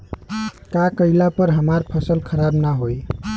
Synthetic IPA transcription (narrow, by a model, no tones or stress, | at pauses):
kakəilapəɾɦəmaɾpʰəsəlkʰəɾabnaɦoj